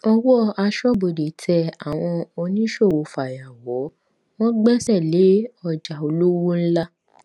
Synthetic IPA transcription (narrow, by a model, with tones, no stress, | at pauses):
ɔ˧wɔ˦˨a˧ʃɔ˦bo˨de˨tʰɛ˧˦a˨w̃ɔ̃˧o˧nĩ˦ʃo˦˨wo˨fa˨ja˨wɔ˨˦ | w̃ɔ̃˦ɡ͡bɛ˦sɛ˦˨le˨˦ɔ˧d͡ʒa˨o˧lu˦wu˦n̩˦la˦